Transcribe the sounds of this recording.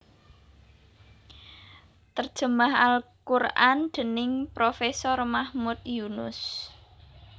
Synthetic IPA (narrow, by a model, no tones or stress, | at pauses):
t̪ərd̥ʒ̥ə̤maɦalkurand̪̥ə̤nɪŋpɾofɛsɔrmahmut̪̚junʊ̰s